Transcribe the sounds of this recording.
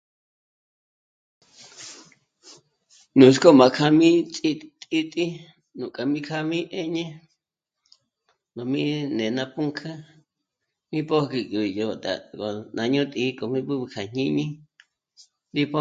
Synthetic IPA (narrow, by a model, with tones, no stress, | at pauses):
nũ˨sko˦mã˨kʰa˧mĩ˦t͡sʼi˦t̪ʼi˦t̪ʼi˦ | nũ˨kʼa˨mĩ˦kʰa˦mĩ˦ʔe˦ɲẽ˦ | no˨mĩ˦nẽ˨nã˧pũ˦ŋkʰã˦ | mĩ˦po˦ki˧kʼi˨jo˧˨t̪a̰˨ko˨nã˨ɲõ˦t̪ʼi˧˦kʼo˨mĩ˦pu˦βkʰa˨ɲ̥ĩ˦ɲĩ˦ | di˦po˦